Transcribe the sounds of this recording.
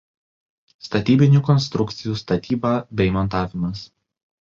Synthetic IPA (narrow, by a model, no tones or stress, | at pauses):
st̪ɐt̪ʲiːbʲɪnʲuːˑkɔnst̪ɾʊkt̪sʲɪjuːst̪ɐt̪ʲiːbɑːbʲɛɪmɔnt̪ɑːʋʲɪmɐs